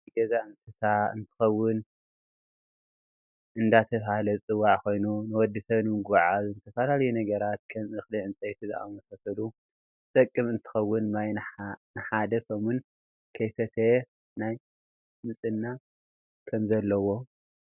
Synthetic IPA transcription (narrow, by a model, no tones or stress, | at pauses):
ɡɐzaɨnt̪ʰɨsaɨ̰nt̪ʰɨ̥xɐwːɨn | ʔɨnd̪at̪ʰɐfhalɐt͡sʼɨwːaʕko̞jnunɨwɔd̪ːisɐβnɨmɨɡwaʕazɨnt̪ʰɐfalalɐjunɐɡɐɾat̪̚kʰɐmɨxliʕɨnt͡sʼɐjt̪ʰizɨa̰mɐsasɐlu | t̪ʼɐkʼːɨmɨnt̪ʰɨ̥xɐwːʊnnajnɨħad̪ɐsomun | kʰɐjsɐt̪ʰe | naj | mɨsʼɨnːa | kʰɐmzɐlːɐwo̞